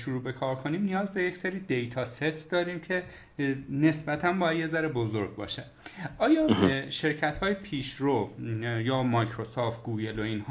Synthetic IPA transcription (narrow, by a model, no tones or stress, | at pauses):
ʃuɾuːbe̞kʰɒːɾkʰoniːmnijɒːzbe̞je̞cseɾiːd̪e̞jt̪ʰɒːset̪ʰd̪ɒːɾiːmcʰe̞ | ne̞sbæt̪ʰænbɒːjæd̪je̞zæɾebozo̞ɾɡ̚bɒ̰ːʃæ | ɒːjɒːʃe̞ɾcʰæt̪hɒːjepʰiːʃɾojɒːmɒjcʰɾosɔːft̪̚ɡuːɡe̞loiːnhː